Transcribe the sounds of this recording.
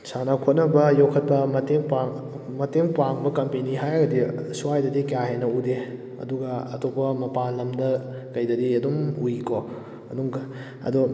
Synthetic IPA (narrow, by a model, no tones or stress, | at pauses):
sanɐkʰot̚nɐbɐjokʰɐt̚pɐmɐteŋpaŋ | mɐteŋpaŋbɐkɐmpeniɦajɡɐdisuwajdɐdikjaɦenɐude | ɐ̰duɡɐɐtʰopɐmɐpanlɐmdɐ | kɐjdɐdiɐdumujko | ɐduŋɡɐ | ɐ̰du